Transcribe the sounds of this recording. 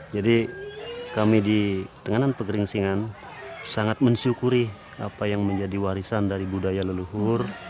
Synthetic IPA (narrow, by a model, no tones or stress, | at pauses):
d͡ʒadi | kamidit̪əŋananpəɡəɾɪŋsiŋan | saŋat̪̚məɲt͡ʃukuɾi | a̰pajaŋməɲd͡ʒadiwaɾisandaɾibudajaləluɦʊr